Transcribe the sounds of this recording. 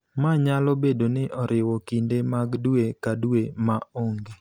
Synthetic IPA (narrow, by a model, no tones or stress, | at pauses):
maɲalɔbedonɪʔɔɾʔɪwɔkindemaɡduekaduemaoŋɡe